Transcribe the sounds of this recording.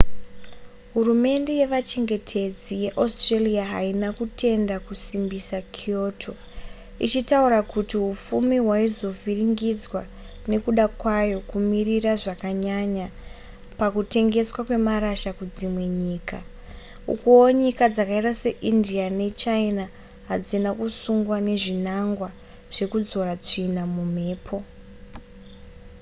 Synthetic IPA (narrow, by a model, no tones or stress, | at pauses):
ɦurume̞nde̞jeʋat͡ʃe̞ŋɡe̞tʰe̞d͡zije̞ʔostreliaɦainakute̞ndakusimbisakʰio̞tʰo̞ | it͡ʃitauɾakutiɦufumiɦwaizo̞vʱiriŋɡid͡zwa | ne̞kuɗakwajo̞kumiriraʐakaɲaɲa | pakute̞ŋɡe̞swakwe̞maɾaʃakud͡zimwe̞ɲiːka | ṵkooɲikad͡zakaitase̞ʔindiane̞t͡ʃaina | ɦad͡zinakusuŋɡwane̞ʐinaŋɡwa | ʐ̥e̞kud͡zo̞ɾat͡ʂinamum̤e̞ːpʰo̞